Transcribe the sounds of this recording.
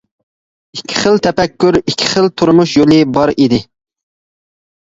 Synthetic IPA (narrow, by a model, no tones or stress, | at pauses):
ikʲʰːɪ̥χəlˠt̪ʰɛpɛkʲːyɾikʲʰːi̥χəlˠt̪ʰuɾmuʃjolˠɨbɑɾid̪ɪ